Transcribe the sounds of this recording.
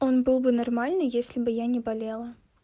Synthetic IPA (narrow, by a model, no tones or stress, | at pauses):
o̞nbɨlˠbɨnɐrmalʲnɨjesʲlʲɪbɨjanʲɪbɐlʲelˠə